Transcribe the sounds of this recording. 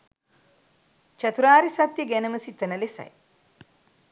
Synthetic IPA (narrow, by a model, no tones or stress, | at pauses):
t͡ʃɐt̪uɾaːɾisat̪jəɡænəməsit̪ːənəlesɐ̰j